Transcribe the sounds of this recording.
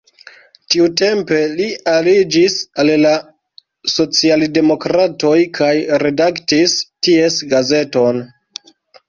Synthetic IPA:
tiute̞mpe̞lialid͡ʒisalla | so̞t͡sialde̞mo̞kɾato̞jkʰajɾe̞daktistie̞sɡaze̞to̞n

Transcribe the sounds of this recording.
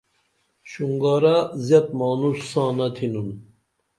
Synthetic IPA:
ɕuŋɡaɾazjɐt̪maːnuʂsãːnɐt̪ʰinun

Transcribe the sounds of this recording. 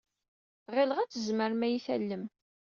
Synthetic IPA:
ʁɪlʁæt͡sːəzməɾmæjiθæ̰lːəm

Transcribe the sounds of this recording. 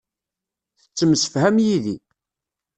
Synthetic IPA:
θə̥t͡sːəmsə̥fhæmjiði

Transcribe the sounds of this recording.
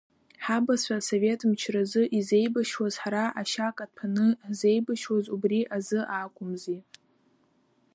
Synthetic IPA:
ħabasʷaso̞ve̞tʰʼmt͡ʃʰrazɨʔize̞jbaʃwazħaɾaʔaʃakʼadpʰanɨze̞jbaʃwazubriʔazɨʔaːkʷʼʊmzi

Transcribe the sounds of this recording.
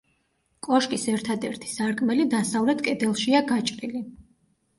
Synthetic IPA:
kʼɔʃkʼisɛɾt̪ʰad̪ɛɾt̪ʰi̥saɾkʼmɛlid̪asavlɛt̪kʼɛd̪ɛlˠʃiaɡat͡ʃʼɾili

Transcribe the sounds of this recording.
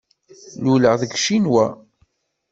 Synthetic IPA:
luləʁðəɡʃinwæ

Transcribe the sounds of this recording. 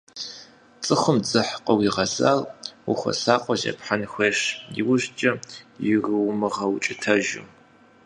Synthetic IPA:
t͡sʼɨχʊmd͡zɨħqʼɔwiʁɐza̰ːlwʊxʷɐ̰saːqʷʼɔʒɐ̰pħanxʷeːʃjɪ̰wʊʑt͡ʃʼɐjɪrɨwmɨʁɐwt͡ʃʼɪtʰɐʒʊ̰m

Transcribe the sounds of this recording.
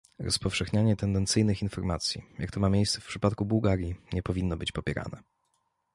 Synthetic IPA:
ɾɔspɔfʂɛxɲaɲɛt̪ɛnd̪ɛnt̪sɘjnɘxinfɔɾmat̪sʲjḭjakt̪ɔmamʲjejst̪sɛfpʂɘpat̪̚kubuwɡaɾʲjiɲɛpɔvʲinːɔbɘt͡ɕpɔpʲɛɾʔa̰nɛ̰

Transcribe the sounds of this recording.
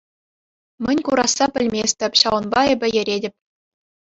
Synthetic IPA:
mʲɘ̆nʲkuɾɑsːɑpʲɘ̆lʲmʲesʲt̪ʲɘ̆pʲɕɑʋɤ̆nbɑebʲɘ̆jɘ̆ɾʲedʲɘ̆pʲ

